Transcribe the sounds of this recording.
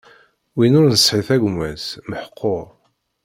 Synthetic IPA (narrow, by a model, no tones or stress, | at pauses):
winʊɾnəsˤːħiθæɡmæsməħə̥qʰːoɾ